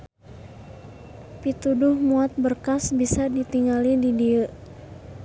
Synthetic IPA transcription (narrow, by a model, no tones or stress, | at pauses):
pit̪udʊhmuat̪̚bərkasbisadit̪iŋalididiəʔ